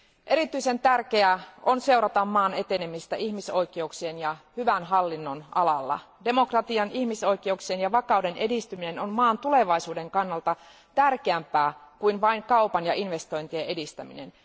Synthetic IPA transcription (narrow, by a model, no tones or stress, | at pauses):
ʔe̞ɾit̪yise̞nt̪ærkeæʔo̞nse̞uɾɑt̪ɑmːɑːne̞t̪e̞ne̞mist̪æʔiçmiso̞jke̞uksienjɑhyʋænɦɑlːinːo̞nɑ̰lɑlːɑ̰ | de̞mo̞krɑt̪iɑniçmiso̞jk̟e̞uksienjɑʋɑkɑwde̞ne̞dist̪ymine̞no̞nmɑːnt̪ule̞ʋɑisuːde̞ŋkɑnːɑlt̪ɑ | t̪ærk̟eæmpæːkujnʋɑiŋkɑupɑnjɑʔinʋe̞st̪o̞jnt̪ieʔe̞dist̪æmḭne̞̰n